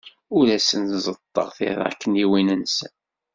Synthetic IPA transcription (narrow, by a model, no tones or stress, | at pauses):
ʊɾæsənzˤət̪ˤːə̰ʁθɪ̰ɾˤæ̰kːəniwinənsən